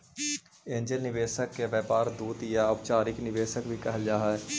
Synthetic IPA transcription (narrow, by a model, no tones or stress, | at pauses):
ẽːnd͡ʒəlnɪʋeːʃəkːeʋeːpaːɾd̪uːt̪jaəbt͡ʃaːɾɪknɪʋeːʃəkbʱikɛɦəld͡ʒaːɦɛ